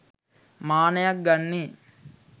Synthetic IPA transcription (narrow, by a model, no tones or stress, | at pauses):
maːnɐjɐk̚ɡɐnːi